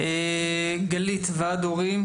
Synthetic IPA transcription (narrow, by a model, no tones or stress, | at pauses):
e | ɡalit̪vead̪oʁim